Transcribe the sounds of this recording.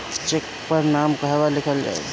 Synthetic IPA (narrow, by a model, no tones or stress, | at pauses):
t͡ʃek | pəɾnamkəɦebalekʰəl̰